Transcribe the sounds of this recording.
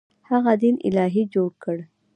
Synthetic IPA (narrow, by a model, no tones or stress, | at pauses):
haɣad̪inɪ̰lɑɦid͡ʒoɽkəɽ